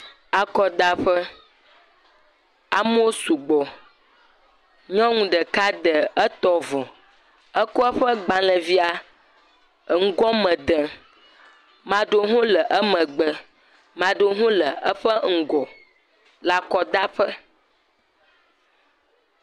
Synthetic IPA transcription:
a˨kɔ˨d̪a˦ɸə˦ | a˦m˦o˦o˦su˨ɡ͡bɔ˨ | ɲɔ̃˦ŋũ˨ɖə˨ka˦d̪ə˨ə˦t̪ɔ˦vɔ˨ | ə˦ko˦ə˦ɸə˦ɡ͡ba˨lə˨vi˦a˨ | ŋ̩˦ɡɔ̃˦mə̃˨d̪ə˨ | mã˨ɖo˦ɦũ˦lə˨ʔə˦mə̃˨ɡ͡bə˨ | mã˨ɖo˦ɦũ˦lə˨ə˦ɸə˦ŋ̩˨ɡɔ˨ | la˨kɔ˨d̪a˦ɸə˦

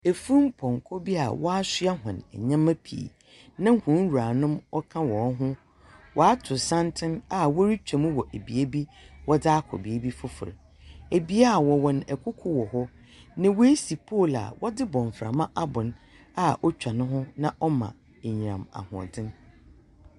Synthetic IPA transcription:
e˨fu˦m̩˦pʰɔ̃˨ŋ˨kʰɔ˦bi˦a̰˨wɔ˦a˦sɪ˦a˦ɦʊ̃˨nɛ̰˨ɲã˦mã˦pʰḭ˨ | nã˦hũ˨˦wu˨ɾa˨nʊ̃˦mɔ˦kʰã˦wɔ̃˨˦ɦʊ̃˦ | wʔɔ˨a˦tʰʊ˨sã˦ntʰɪ̃˦na˨wɔ˦ɾi˦t͡ɕᶣã˨m̃˦wɔ˨ʔæ˨bi˨e˦bi˦ | wɔ˦dɪ˦a˦kʰɔ̰˨bi˨e˦bi˦fʊ˦fʊ̰˨ɾ | e˨bi˦a˦˨wɔ˨wɔ̃˨nɛ˨kʰʊ˦kʰʊ˦wɔ˨ɦɔ˦ | nã˨wo˦e˦si˨pʰo˦˨la̰˨wɔ˦dɪ˦bɔ̃˨ɱ˨fɾa̰˨mã˦ʔa˦bʊ̃˨n | a˦ɔ˦t͡ɕᶣa˨nʊ̃˦ɦʊ̃˦nã˦ʔɔ˦mã̰˨ | e˨ɲ̃˨ɾã̰˨ma̰˨hʊ̰̃˨dɪ̃˦n

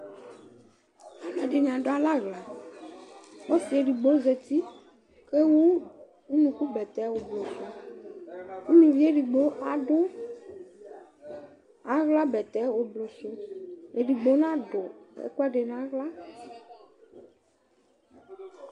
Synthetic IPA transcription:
a˨nã˨ɖe˨ɲã˨ɖo˨˦a˨la˦ɣla˨ | wo˦si˨e˨ɖi˨ɡ͡bo˦ze˨t̪i˦ | ke˦wu˦ | u˦nũ˨ku˦bɛ˨t̪ɛ˦wo˨blo˨so˦ | wu˦mĩ˨vi˦e˦ɖi˨ɡ͡bo˦ʔa˨ɖo˦ | a˨ɣla˦bɛ˨t̪ɛ˨˦wo˨blo˨so˦e˨ɖi˨ɡ͡bo˦nã˦ɖo˨ḛ˦ku˦a˦ɖe˨nã˦ɣla˦

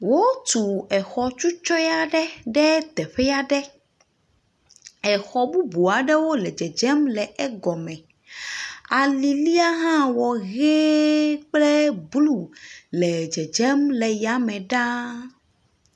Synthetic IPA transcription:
wo˦t̪u˨ɛ˨xɔ˨t͡ʃu˦t͡ʃɔ˦ja˦ɖɛ˦ɖɛ˦t̪ɛ˨ɸɛ˦ja˦ɖɛ˦ | ɛ˨xɔ˨bu˦bu˨a˨ɖɛ˦wo˦lɛ˨d͡ʒɛ˨d͡ʒɛ˦mlɛ˨ɛ˦ɡɔ˨mɛ̃˨ | a˨li˨li˦a˦ɦã˦wɔ˨ɣe˦k͡plɛ˦blu˨lɛ˨d͡ʒɛ˨d͡ʒɛ˦mlɛ˨ja˨mɛ̃˨ɖa˦

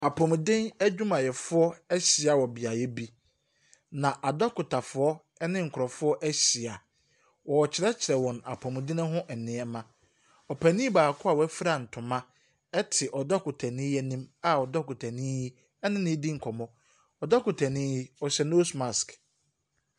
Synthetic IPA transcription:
a˨pʰɔ̃˨m˨dɪ̃˦næ˦d͡ʑᶣu˦mã˨jɛ˨fʊ˦ɔ˦ɛ˦ɕɪ˨a˨wɔ˨bi˨a˨jɛ˦bi˦ | nã˨ʔa˨dɔ˦kʊ˨tʰa˨fʊ˨ɔ˦ | ɛ˦nɪ̃˦ŋ̩˨kʰʊ˨ɾɔ˨fʊ˦ɔ˦ʔæ˦ɕi˨a˨ | wɔ˨ɔ˨t͡ɕʰɪ˨ɾɛ˦t͡ɕʰɪ˨ɾɛ˨wɔ̃˨na̰˨pʰɔ̃˨m˨dɪ̃˦nɪ̃˦ɦʊ̃˦ʔɛ˨nɪ̃˨ɛ˦mã˦ | ɔ˨pʰæ˨nĩ˦baː˨kʰʊ˦a˨wɔ˨˦æ˦fi˦ɾa˨n̩˨tʰʊ̃˨mã˦ | ɛ˦tʰɪ˨ʔɔ˨dɔ˦kʰʊ˨tʰa˨nɪ̃˦jɛ˦nĩ˦ma˦ɔ˨dɔ˦kʊ˨tʰa˨nĩ˦ji˦ | ɛ˦nɪ̃˦nɪ̃˦di˦ŋ̩˨kʰɔ˨mɔ̃˦ | ɔ˨dɔ˦kʊ˨tʰæ˨nĩ˦ji˦ɔ˨ɕɛ˨no˦sma˨sk

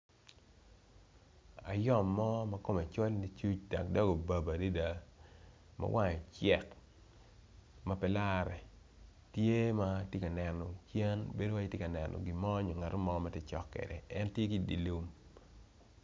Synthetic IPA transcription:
a̰˨jɔ˦˨mːɔ˦mɐ˦ko˦ma˨t͡ʃo˦lni˦t͡ʃu˦t͡ʃda˨kdɔ˦ɡo˨ba˨ba˨di˦da˨ | ma̰˦wʔa˦ɲɔ˨t͡ʃɛ˦˨k | mɐ˨pɛ˨la˦ɾɛ˨ | tje˦ma˦tje˦ka˨nɛ˨nɔ˨t͡ʃɛ˦nbe˦do˦wa˦i˦tje˦ka˨nɛ˨nɔ̰˨ɡɪ˨mɔ˦ɲɔ˨ŋa˨ɾo˦mɔ˦ma˦te˦t͡ʃɔ˦kːɛ̰˨dɛ˨ɛ˦ntje˦ki˦˨dḭ˨lu˦m

